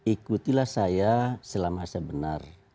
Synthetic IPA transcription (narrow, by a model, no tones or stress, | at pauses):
ikut̪ilahsajasəlamasəbənar